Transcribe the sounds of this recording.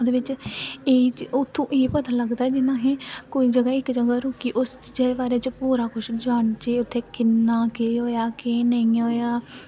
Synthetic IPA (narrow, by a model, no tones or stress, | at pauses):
od̪eːʋɪt͡ʃeːt͡ʃʊt̪ʰːõːʔeːpət̪aːləɡd̪aːɛːd͡ʒɪnãːɦẽːkoːiːd͡ʒəɡaːɪkd͡ʒəɡaːɾoːkiːʔʊst͡ʃiːd͡ʒeːd̪eːbaːɾeːt͡ʃpuːɾaːkʊʃd͡ʒʊaːɳt͡ʃeːʊt̪ʰːeːkɪnːaːkeːɦoːjaːkeːnəĩːɦoːjaː